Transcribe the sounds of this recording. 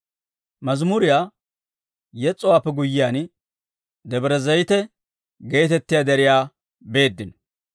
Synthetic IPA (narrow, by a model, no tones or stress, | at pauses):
mɐzmʊɾɪjaː | jɛt͡sʼːɔwaːpːɛɡʊjːɪjaːn | d̪ɛbɾɛzɐjt̪ɛ | ɡe̞ːt̪ɛt̪ːɪjaːd̪ɛɾɪjaː | be̞ːd̪ːɪn